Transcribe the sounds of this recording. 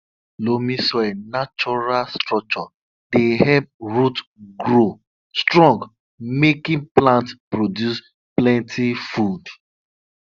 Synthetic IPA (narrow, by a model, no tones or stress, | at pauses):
lomĩsɔɛnat͡ʃɔɹalstɹɔk̚t͡ʃɔ | dehɛp̚ɹutɡɹo | stɹɔ̃ŋɡ | mekĩplãntpɹodjus | plɛ̃ntʰifud